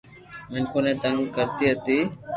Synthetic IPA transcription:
mɪnkʰoːnẽːt̪əŋɡkəɾt̪iːɦət̪iː

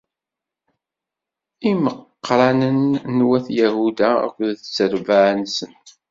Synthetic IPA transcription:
iməqːɾˤɑnənːwæθjæhud̪ææ̰kʷːðθət͡sːəɾvaʕnsən

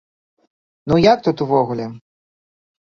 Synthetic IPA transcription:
nujak̚t̪ut̪uvɔɣulʲɛ

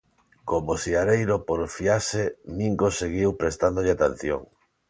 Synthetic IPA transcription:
komosiaɾejɾopoɾfiaseniŋkoseɣiwpɾest̪and̪oʎeat̪en̟θjo̰ŋ

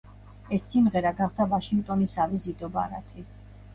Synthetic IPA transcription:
ɛsːimʁɛɾaɡaχd̪avaʃiŋɡ̚t̪ʼɔnisavizid̪ɔba̰ɾa̰t̪ʰi

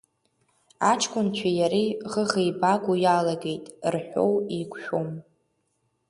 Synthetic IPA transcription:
at͡ʃʰʼkʷʼʊnt͡ɕʷʰajaɾiʁəʁejbaɡʷujalaɡe̞jtʼrħʷᶣo̰wikʷʃʷᶣom

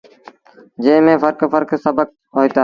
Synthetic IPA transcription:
d͡ʒeːmẽːfəɾkfəɾksəbək̚ | ɦoːit̪a

